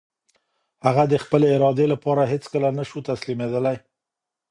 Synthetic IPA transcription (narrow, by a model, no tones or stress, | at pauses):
haɣad̪əxpəleɪɾɑd̪elapɑɾaɦet͡skəlanaʃut̪aslimed̪əlaj